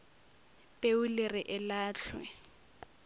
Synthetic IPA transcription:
pʼeʊlɪrɪʔɪlaːɬʰwɛ̰

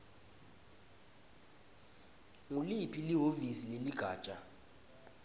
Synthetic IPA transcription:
ŋulipʰiliɦovisileliɡ̥ʱḁːt͡ʃʼa

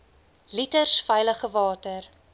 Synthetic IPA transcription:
litərsfɛjləχəvɑːtər

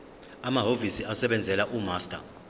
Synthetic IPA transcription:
amaɦovisiasɛɓɛnd͡zʱɛlaʔumaːstʼa̰

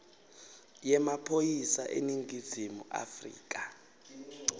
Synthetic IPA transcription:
jɛmapʰojisaʔḛniŋɡʱizimuʔa̰frḭːkʼa

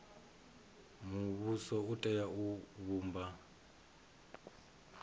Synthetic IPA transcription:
muβusɔutʼɛjauβuːmba

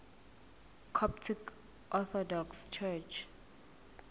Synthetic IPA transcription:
kʰɔptʰik | ʔɔθɔdɔkst͡ʃʰɛt͡ʃʰ

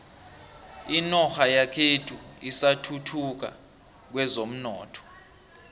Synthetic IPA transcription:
inɔxajakʰetʰuisatʰutʰuk̬a̰ | k̬wɛzom̩nɔ̰ːtʰɔ̥

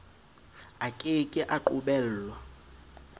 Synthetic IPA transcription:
akʼɪkʼɪʔaǃuɓɛːl̩lwa

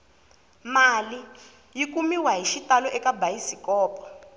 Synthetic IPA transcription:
mali | jikumiwaɦiʃitalɔʔɛkabajisikɔːpʰʼɔ̥

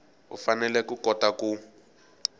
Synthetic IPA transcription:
ṵfanɛlɛkukɔtaku

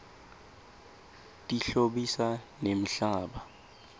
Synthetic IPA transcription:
tʼiɬoɓisanem̩ɬaːɓa

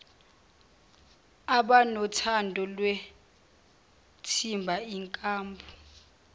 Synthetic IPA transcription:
aɓanɔtʰandʱʼɔlwe | tʰimbʱaiŋkʼaːmbʱu

